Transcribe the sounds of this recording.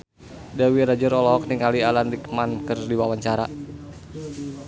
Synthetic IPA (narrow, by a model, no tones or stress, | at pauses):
dawiɾad͡ʒəɾɔlɔɦɔk̚niŋalialanrikmankərdiwawaɲt͡ʃaɾa